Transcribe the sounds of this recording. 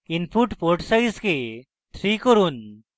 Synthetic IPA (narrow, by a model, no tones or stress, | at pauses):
inpʰuʈpɔɾʈsajske | t̪ʰɾikɔɾun